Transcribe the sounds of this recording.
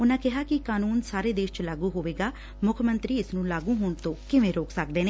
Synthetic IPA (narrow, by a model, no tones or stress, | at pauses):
ʊnãːkɪɦaːkɪkaːnuːnsaːɾeːd̪eːʃt͡ʃlaːɡũːɦoːʋeːɡaː | mʊkʰmə̃nt̪ɾiːɪsnũːlaːɡũːɦoːɳt̪õːkɪʋẽːɾoːksək̚d̪eːneː